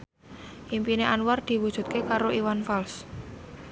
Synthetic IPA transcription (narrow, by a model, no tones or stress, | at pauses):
ʔimpineʔanward̪̥i̤wud̥ʒ̥ṳt̪̚kekaɾoʔiwanfals